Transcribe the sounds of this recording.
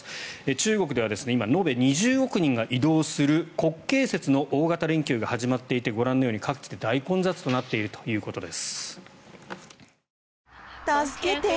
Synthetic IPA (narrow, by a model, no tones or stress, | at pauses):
et͡ɕɨːɡo̞k̬ɯ̟d̪e̞β̞ad̪e̞sɨne̞imano̞be̞ɲ̟iʑɨːɡo̞kɯ̟ɲ̟ĩŋɡaʔid̪o̞ːsɨɾɯ̟ko̞kːe̞ːse̞t͡sɨno̞ʔoːɡat̪aɾẽ̞ŋkʲjɨːɡahaʑimat̪ːe̞it̪e̞ɡo̞ɾãnːo̞joːɲikakɯ̟̥t͡ɕi̥t̪e̞d̪aikõ̞nd͡zat͡sɨ̥t̪o̞nat̪ːe̞iɾɯ̟t̪o̞̥jɯ̟ːko̞t̪o̞d̪e̞sɨ̥ | t̪askee